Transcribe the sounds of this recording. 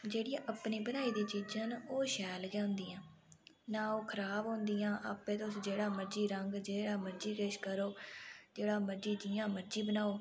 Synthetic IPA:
d͡ʒeːɽiãːʔəpniːbənaːiːd̪iːt͡ʃiːd͡ʒənoːʃɛːlɡjãːʊnd̪iːãː | nãːoːkʰəɾaːbɦõːnd̪iːjãːʔaːpːẽːt̪ʊsd͡ʒeːɽaːməɾd͡ʒiːɾəŋɡd͡ʒeːɽaːməɾd͡ʒiːkeʃkəɾoːd͡ʒeːɽaːməɾd͡ʒiːd͡ʒiːãːməɾd͡ʒiːbənaːoː

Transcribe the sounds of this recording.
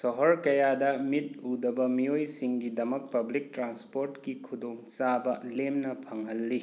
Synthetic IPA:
sɔɦɔɾkɐjadɐmit̚udɐbɐmijojsiŋɡidɐmɐk̚pɐblik̚tɾanspoɾtkikʰudoŋt͡ʃabɐlemnɐpʰɐŋɦɐlːi

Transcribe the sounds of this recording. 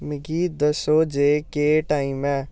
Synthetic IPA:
mɪɡiːd̪əsoːd͡ʒeːkeːʈaːimɛː

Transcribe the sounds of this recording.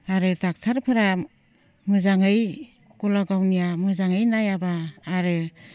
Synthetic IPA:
aɾɯtak̚tʰaɾpʰɯɾa | mɯzaŋɯj | kulaɡawnijamɯzaŋɯjnajabaːɾɯ

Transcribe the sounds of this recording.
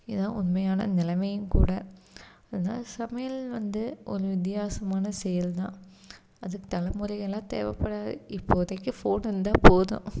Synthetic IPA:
ɪðãːʊnmɐjaːnɐ̰nɪlɐmɐjɯ̃mkṵːɽɐɐðɐna̰ːsɐmɐjɐlʋɐnd̪ɯʔɔɾɯʋɪt̪ːɪjaːsɐmaːnɐsɛjɐlt̪ãː | ɐðɯkːɯt̪ɐlɐmʊɾɐɪɣɐlãːt̪ḛːʋɐpːɐɽaːðɯ̰ɪpːoːðɐkːɯfoːnɪnd̪aːpoːðʊ̰̃

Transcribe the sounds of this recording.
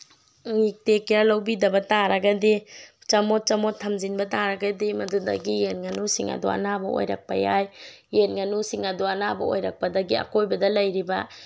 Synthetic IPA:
ŋik̚tekɾalɐwbidɐbɐtaɾɐɡɐdit͡ʃɐmot̚t͡ʃɐmotʰːɐmzinbɐtaɾɐɡɐdimɐdudɐ̰ɡijenŋɐnusiŋɐ̰duɐ̰nabɐo̰jɾɐ̰k̚pɐjajː | enŋɐnusiŋɐduɐnabɐ̰o̰jɾɐk̚pɐdɐɡiɐ̰kojbɐdɐlɐjɾibɐ

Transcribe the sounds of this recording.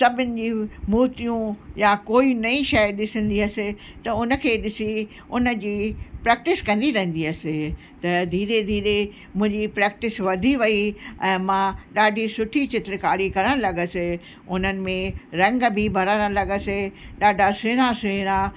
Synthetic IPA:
sɐbʱɪnɪ̆d͡ʑiːmuːɦt̪ijũjakoːinɐĩʃɐjɗɪsə̃nd̪iɐsɪ | t̪ɐʊnə̆kʰeːɗɪsi | ʊnə̆d͡ʑiːpɾɛːk̚ʈɪskɐ̃nd̪iɾɐ̃ɦə̃n̆d̪iɐsɪ | t̪ɐd̪ʱiːɾed̪ʱiːɾe | mʊ̃ɦɪ̃ɲd͡ʑipɾɛːk̚ʈɪsʋɐd̪ʱiʋɐiɛ̃ːmãɗaːɖʱisʊʈʰit͡ɕɪt̪ɾɪkaːɽikɐɾəɽ̃lɐɡəsɪ | ʊnənɪ̆mẽɾɐ̃ŋɡbʱibʱɐɾəɽ̃ə̃lɐɡəsɪɗaːɖʱasɪːɾ̃asɪɪɾa

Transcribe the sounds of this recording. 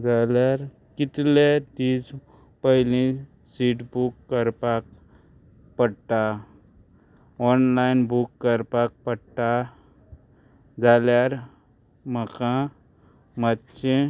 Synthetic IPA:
d͡ʒaːlaɾ | kɪt̪led̪iːd͡ʒ | pəɦɪlĩ | siːʈbukːəɾpak̚ | pəɽʈa | ɔːnlaɪnbukːəɾpak̚pəɽʈa | d͡ʒaːlaːɾ | məkã | mətːt͡ʃe

